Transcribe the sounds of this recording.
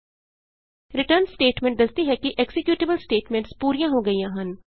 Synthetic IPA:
ɾɪʈəɾnsʈeːʈmẽɳʈ̚d̪əst̪iɦɛːkiʔeksɪkjuːʈɪbəlsʈeːʈmẽɳʈspuːɾijãːɦoːɡəijãːɦən

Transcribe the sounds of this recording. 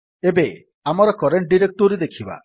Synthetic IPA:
ebe | amɔɾɔkɔɾeɳʈ̚ɖiɾek̚ʈoɾid̪ekʰiba̰

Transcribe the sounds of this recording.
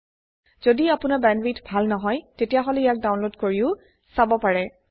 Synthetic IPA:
z̥odiapʊnabɛnbitbʱalnɔɦɔjtetijaɦɔlɛijak̚dawnlodkoɹiʊ | sabɔpaɹɛ

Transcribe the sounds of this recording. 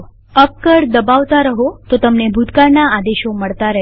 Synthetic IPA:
əp̚kəɾd̪əbaʋt̪aɾəɦot̪ot̪əmnebʱut̪kaɾnaad̪eʃoməɭt̪aɾəɦ

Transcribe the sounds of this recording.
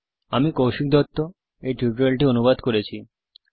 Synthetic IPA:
amikowʃik̚d̪ɔt̪ːo | eʈiʈɾalʈionubad̪koɾet͡ɕʰi

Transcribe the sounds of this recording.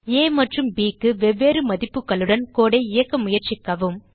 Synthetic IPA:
eːmɐʈrɯmbiːkːɯʋɛʋːeːɾɯmɐðɪpːɯkːɐɭɯɽɐnkoːɽɐɪɪjɐkːɐmʊjɐɾt͡ʃɪkːɐʋɯm

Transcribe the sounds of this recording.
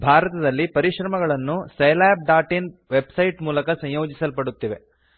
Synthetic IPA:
bʱaːɾɐt̪ɐd̪ɐlːipɐɾiʃɾɐmɐɡɐɭɐnːusɐjlaːb̚ɖaːʈinʋebsɐjʈmuːlɐkɐsɐ̃j̃joːd͡ʒisɐlpɐɽut̪ːiʋe

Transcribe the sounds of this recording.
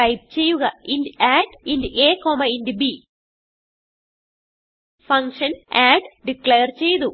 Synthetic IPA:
ɐjp̚t͡ɕe̞jːuɣɐindaːɖindɨeːkoːmɐindbi | fɐŋkʂɐnaːɖɖikleːrt͡ɕe̞jt̪u

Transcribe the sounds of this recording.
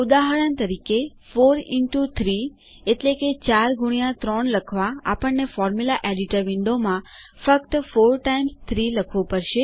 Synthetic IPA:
ud̪aɦaɾənt̪əɾike | foɾɪʈut̪ʰɾi | eʈleket͡ʃaɾɡuɳ̃jãt̪ɾɔɳləkʰʋaa̰pəɳːefɔɾmulaʔeɖiʈəɾʋɪɳɖomã | fəkt̪foɾʈaimst̪ʰɾiləkʰʋopəɾʃe

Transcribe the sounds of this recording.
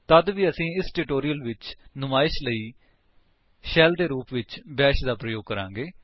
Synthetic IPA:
t̪əd̪ʋiːəsĩːɪsʈɪʈoːɾijəlʋɪt͡ʃnʊmaːɪʃləiː | ʃɛːld̪eːɾuːpʋɪt͡ʃbɛːʃd̪aːpɾəjoːɡ̚kəɾã̰ːŋɡeː

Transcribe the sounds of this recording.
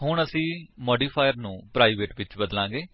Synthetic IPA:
ɦʊɳəsĩːmɔːɖiːpʰaːjəɾnũːpɾaːiːʋeːʈʋɪt͡ʃbəd̪lãːɡeː

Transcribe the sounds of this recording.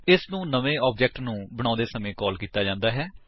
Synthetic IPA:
ɪsnũːnəʋẽːɔːpd͡ʒɛːk̚ʈnũːbəɽ̃ãːd̪eːsəmẽːkɔːlkiːt̪aːd͡ʒãːnd̪aːɦɛː

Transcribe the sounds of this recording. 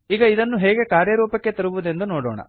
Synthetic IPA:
iːɡɐid̪ɐnːuɦɛːɡe̞kaːɾjɐɾuːpɐkːe̞t̪ɐɾuʋud̪e̞nd̪unoːɽɔ̰ːɳɐ̰

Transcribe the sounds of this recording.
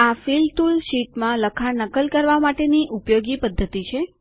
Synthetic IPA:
afilʈ̪ulʃiʈmãləkʰanəkəlkəɾʋamaʈeniʔupjoɡipəd̪ʱːət̪it͡ʃʰe

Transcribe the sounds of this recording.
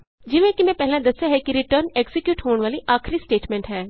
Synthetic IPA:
d͡ʒɪʋẽkimɛ̃pɛɦɪlãd̪ɐsjaɦɛkiɾɪʈəɾneɡsɪkjuːʈɦoːɽ̃ʋaːliʔaːxʰɾisʈeːʈmẽɳʈɦɛː

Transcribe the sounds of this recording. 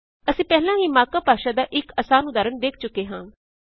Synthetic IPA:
əsĩːpɛːlãːɦiːmaːkaːpaːʃaːd̪aːʔɪkəsaːnʊd̪aːɾənd̪eːk̚ʰt͡ʃʊkeːɦãː

